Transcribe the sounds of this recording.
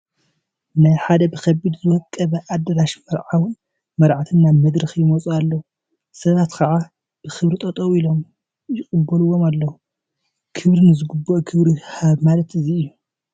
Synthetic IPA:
najħad̪ɐbɨkʰɐbːid̪zɨwɐkʼːɐβɐʔad̪ːɐɾaʃmɐɾʕawʊn | mɐɾʕat̪ʰɨnːanmɐd̪ɾɨxjɪmot͡sʼualːɐwu | sɐβat̪kʰɐʕa | b̥ɨxɨβɾit̪ʼɐt̪ʼowilo̞m | jɪqʼɨbːɐluwːo̞malːɐwu | kʰɨβɾinɨzɨɡubːoʔkʰɨβɾihaβmalɐt̪ɨziɨjːu

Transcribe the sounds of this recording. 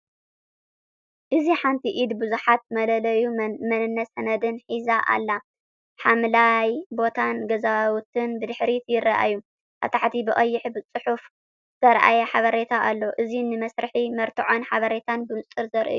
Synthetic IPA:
ʔɨziħant̪ʰiʔid̪bɨzuħat̪̚mɐlɐlɐjumɐnɨnːɐsɐnɐd̪ɨnħizaʔa̰lːa | ħamlajbo̞t̪ʰanɡɐzawt̪ʰɨnbɨd̪ɨħɾit̪ʰjɪrːaʔa̰ju | ʔɐ̰t̪ʰaħt̪ʰibɨχʼɐjːɪħbɨt͡sʼɨħuf | z̥ɐɾʔa̰jɐħaβɐɾet̪ʰaʔalːoʔɨzinɨmɐsɾɨħimɐɾt̪ʰɨʕo̞nħaβɐɾe̞t̪ʰanbɨmɨt͡sʼːɨɾzɐɾʔɨ̰u

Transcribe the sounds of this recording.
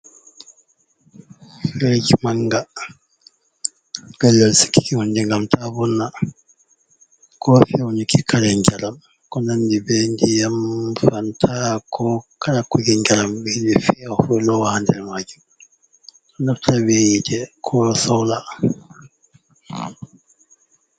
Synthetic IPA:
fɛd͡ʒimaŋɡa | bɛlːɛlsi̥ki̥kihundiŋɡamtʰabɔnːa | kɔfiunikikʰaɾɛɲd͡ʒalam | kɔnandibɛndijamfantʰakʰɔkaɾakːuɡiɲd͡ʒalambɛdifiafɛlɔwahantɛɾmad͡ʒi | kɔnaftʰabejidɛkʰɔsɔwla

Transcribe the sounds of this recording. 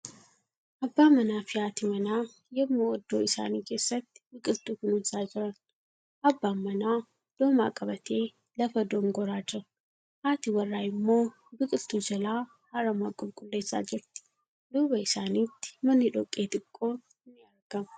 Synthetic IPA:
ʔɐbːaːmɐnaːfɪjaːt̪ɪmɐnaː | jɛmːoɔd̪ːoːɪsa̰ːniːke̞ːsːɐt̪ːɪ̥bɪkʼɪlt̪uːkʊnʊnsaːd͡ʒɪɾɐn | ʔɐbːaːmːɐnaː | d̪̥oːma̰ːkʼɐbɐt̪ʰeː | lɐfɐd̪oːŋɡɔɾaːd͡ʒɪɾɐ | haːt̪iwɐrːaːɪmːo̞ː | bɪkʼɪlt̪uːd͡ʒɐlaː | hɐɾɐmaːkʼʊlkʼʊlːe̞ːsːa̰ːd͡ʒɪɾt̪ɪ̥ | d̪uːbɐɪsaːniːt̪ːɪ̥mɐnːɪᶑɔkʼːeːt̪ʼɪkʼːo̞ː | ɪnːɪɐɾɡɐmɐ̥

